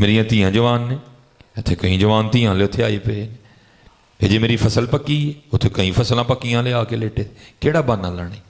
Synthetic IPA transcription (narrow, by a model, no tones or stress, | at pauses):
meːɾijãːt̪ĩːãːd͡ʒəʋaːnːeː | ʊt̪ʰeːkəĩːd͡ʒəʋaːnt̪ĩːãːleːʊt̪ʰːeaːepeːeːne | eːd͡ʒeːmeːɾiːfʰəsəlpəkieːʊt̪ʰːeːkəĩːpʰəslãːpəkːijãːleːaːkeːleːʈeːekeːɽaːbaːnãːləːɳeː